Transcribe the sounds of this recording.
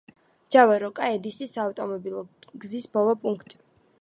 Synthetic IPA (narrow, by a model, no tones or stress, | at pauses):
d͡ʒ̥avaɾɔkʼaɛd̪isisaːft̪ʼɔmɔbilˠɔɡzisbɔlˠɔpʼuŋkʰt̪ʼi̥